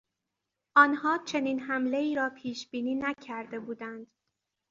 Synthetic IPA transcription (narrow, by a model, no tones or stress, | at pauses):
ʔɒːnhɒːt͡ʃʰe̞niːnɦæmle̞iːɾɒːpʰiːʃb̥iːniːnæcʰæɾd̪e̞buːd̪ænd̪̥